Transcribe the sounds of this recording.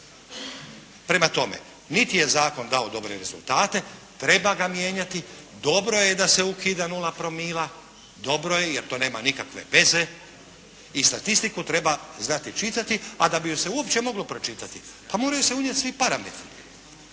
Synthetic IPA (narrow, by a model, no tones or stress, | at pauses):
pɾe̞mat̪o̞mḛ | nit̪ije̞zaːko̞nd̪aod̪o̞bɾeɾe̞zṵlt̪aːt̪e̞ | t̪ɾe̞baɡamje̞ːɲat̪i | d̪o̞bɾo̞jed̪aseukiːd̪anulapɾo̞miːla | d̪o̞bɾo̞je̞jeɾt̪o̞ːne̞ːmanikakʋe̞̰ʋe̞ze̞ | ist̪at̪ist̪ikut̪ɾe̞baznat̪it͡ʃit̪at̪ia̰d̪abijose̞uopt͡ɕe̞mo̞ɡlo̞pɾo̞t͡ʃit̪at̪ipamo̞ːɾajuseuɲet̪sʋipaɾamḛt̪ɾi